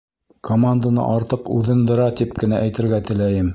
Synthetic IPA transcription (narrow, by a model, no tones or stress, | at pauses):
kʰomand̪anɤ̰ʔɑɾt̪ɤqʉðɘ̆nd̪ɤ̆ɾɑt̪ip̚kɘ̆næʔæjt̪ɘ̆ɾɡæt̪ɘ̆læjɘm